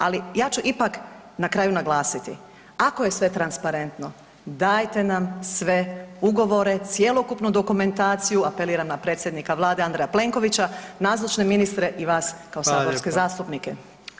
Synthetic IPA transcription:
alijaːt͡ʃuʔipak | nakɾaːjunaɡlˠaːsit̪ḭ | ako̞je̞sʋe̞t̪ɾanspaɾe̞nt̪no̞ | d̪aːjt̪e̞namsʋe̞uɡo̞ʋo̞ɾe̞t̪sje̞lˠo̞kupnud̪o̞kume̞nt̪aːt̪sijuape̞liːɾamnapɾet̪sʲje̞d̪nikaʋlˠaːd̪eand̪ɾejaple̞ŋko̞ʋit͡ɕanaːzlot͡ʃne̞minist̪ɾe̞ʔiʋaːskaosaːboɾske̞zaːst̪upnike̞

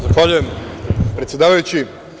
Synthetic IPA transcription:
zaxʋaʎuje̞mpɾet̪sje̞d̪aːʋajut͡ɕi

